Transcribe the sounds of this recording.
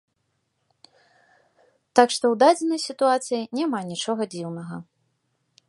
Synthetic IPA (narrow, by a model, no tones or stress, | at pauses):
t̪akʂt̪ɔwd̪ad͡zʲɛnɐjsʲit̪uat̪sɨjinʲɛmanʲit͡ʂɔɣɐd͡zʲiwnɐɣɐ